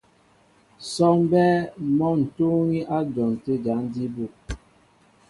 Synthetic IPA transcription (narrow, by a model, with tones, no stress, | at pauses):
sɔ˦ŋbɛ˦mɔ˦n̩˨to˦ŋi˦ʔa˦d͡ʒɔ˨n˨te˦ɡa˨˦n˦di˦bu˨